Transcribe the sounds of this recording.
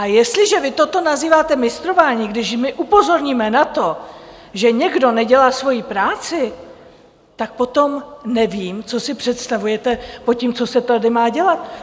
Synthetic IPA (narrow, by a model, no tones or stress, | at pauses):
ʔajɛst̪lɪʒɛvɪt̪ot̪o̞naziːvaːt̪ɛmɪst̪ɾo̞vaːɲiːɡdɪʃmɪʔupo̞zo̞ɾɲiːmɛnat̪o̞ | ʒɛɲɛɡdo̞nɛɟɛlaːsvo̞jipɾaːt͡sɪ | t̪ak̚po̞t̪o̞mnɛviːmt͡so̞sɪpr̝̥ɛt̪st̪avujɛt̪ɛpocimt͡so̞sɛt̪adɪmaːɟɛlat̪̚